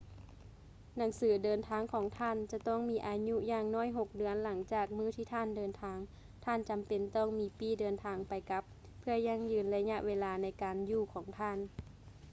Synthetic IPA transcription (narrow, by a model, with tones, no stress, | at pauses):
na˨˩˦ŋsɯː˩˦dɤː˨˧nt̪ʰaː˧˥ŋkʰɔː˨˩˦ŋt̪ʰaː˧˥˨nt͡ɕa˧t̪ɔː˧˥˩ŋmiː˧˥ʔaː˨˧ɲu˧˥jaː˧˩ŋnɔː˧˥˨jɦo˧k̚dɯ˨˧˦ənla˩˦ŋt͡ɕaː˨˩k̚mɯː˧˥˨t̪ʰiː˧˩t̪ʰaː˧˥˨ndɤː˨˧nt̪ʰaː˧ŋ | t̪ʰaː˧˥˨nt͡ɕa˨mpe˨nt̪ɔː˧˥˩ŋmiː˧˦piː˧˥˩dɤː˨˧nt̪ʰaː˨˧˦ŋpa˨jka˧˦pʰː | ɯ˧ɐɲa˧˥˩ŋjɯː˨˧nla˧ɲa˧ʔweː˧laː˨˧na˧˥jkaː˨njuː˧˩kʰɔː˨˩˦ŋt̪ʰaː˧˥˨n